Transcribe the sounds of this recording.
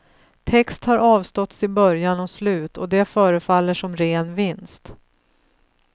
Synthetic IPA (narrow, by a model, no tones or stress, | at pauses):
t̪ʰɛkst̪haɾʔɑːvst̪ɔt̪sɪbœɾjanɔslʉ̟ːt̪ɔ̰d̪ɛfœːɾəfalːəʂɔmɾeːnvɪnst̪